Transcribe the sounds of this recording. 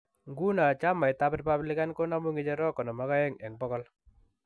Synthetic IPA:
ŋɡu˦na˨t͡ʃa˦ma˨jta˦pri˦pablɪ˦ka˦nko˦na˦mu˦ŋɪ˦d͡ʒɛ˦ɾɔ˦kɔ˨nɔ˨ma˦ka˦ɛ˦ŋɛ˨ŋbɔ˦kɔ˦l

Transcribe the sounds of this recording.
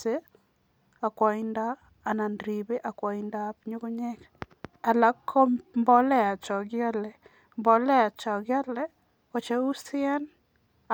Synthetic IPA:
e˦ | a˨kwɔ˨i˦ndaː˦˨ | na˨ndɾi˨be˦ʔa˨kwɔ˨inda˦pɲu˦ku˦ɲɛ˦k | a˨la˦kʰːɔ˦mbɔ˦lɛ˦a˨t͡ʃɔ˨ɡjɔ˦lɛ˨ | mbɔ˨lɛ˦a˨t͡ʃɔ˨ɡɪ˦a˦lɛ˦ | kɔ˨t͡ʃe˦u˦sɪ˦ɛ˦n˨

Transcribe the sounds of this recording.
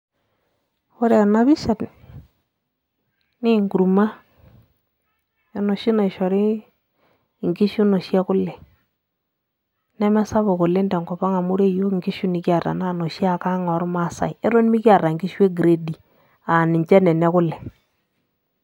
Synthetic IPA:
o˦ɾe˨na˦bi˦ʃa˨tn˨ | ni˦˨ŋɡu˨ɾma˦ | e˨no˨ʃi˦na˨i˨ʃɔ˨ɾi˦˨ | ŋɡi˦ʃu˦no˨ʃja˦kʊ˦lːɛ˨ | nɛ˦mɛ˦sa˦βo˨ko˨le˦ndɛ˨ŋɡɔ˨ba˦ŋa˨mu˦ɾe˦˨jo˦kŋɡi˦ʃu˦ni˨kja˨rta̰˨na˦˨no˨ʃja˦˨ka˦ŋɔ˨˦ɾma˦˨sa̰˨je˦ɾo˦n˦mi˦kja˨ɾa˨ŋɡi˦ʃwe˦ɡɾe˨di˨ | a˨nɪ˨ɲt͡ʃɛ˦nɛ˨nɛ˦kʊ˦lɛ˨

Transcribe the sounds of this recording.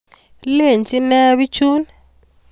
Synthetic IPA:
le˦˨nt͡sʼi˦na˦βi˦t͡ʃʰuː˦ni

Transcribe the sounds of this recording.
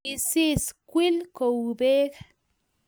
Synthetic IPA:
i˧si˦skʷi˦lko˨u˨be˦k

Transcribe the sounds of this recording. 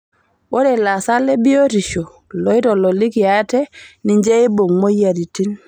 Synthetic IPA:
bo˦de˨la˨sa˦le˦bi˦o˦ti˨ʃo˨ | lɔ˨i˦tɔ˨lɔ˨li˦ki˨ja˦tɛ˦ni˨ɲd͡ʒe˦i˦bo˨ŋmo˦ja˨di˨ti˦n

